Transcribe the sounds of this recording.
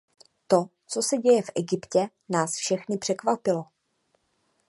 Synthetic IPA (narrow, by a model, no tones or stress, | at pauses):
t̪o̞ | t͡so̞sɛɟɛjɛfʔɛɡɪpcɛ | naːsfʃɛxnɪpr̝̥ɛkvapɪlo̞